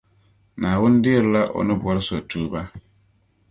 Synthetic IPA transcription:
nã˨wʊ̃˦n˦dɪ˦e˦ɾla˦ʔɔ̰˨nɪ̃˦bʊ˨a˨ɾɪ˦sʊ˨a˨tʰuː˦ba˦

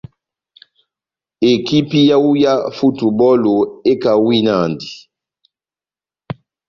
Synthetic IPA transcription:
e˨ki˦pi˦ja˦u˦ja˦fu˦tu˨bɔ˦lo˨e˦ka˨wi˦na˦˨ndi˨

